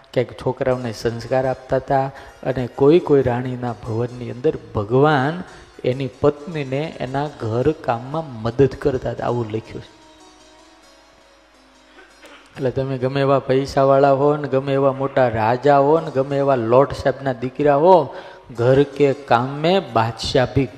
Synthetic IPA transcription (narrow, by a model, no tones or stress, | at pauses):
kjaikt͡ʃʰokɾaʋnesə̃nskaɾap̚t̪at̪aə̰nekoikoiɾaɽ̃inabʱəʋənːiə̃nd̪əɾbʱəɡʋan | enipət̪nineʔḛnaɡʱəɾkamːãməd̪əd̪kəɾt̪at̪a̰a̰ʋũləkʰjũt͡ʃʰe̥ | əlet̪əmeɡəmeʋapəjʃaʋaɭaɦoəneɡəmeːʋamoʈaɾad͡ʒaɦoəneɡəmeːʋalɔɖʃabnad̪ɪkɾjaɦo | ɡʱəɾkekamːebad̪ʃabik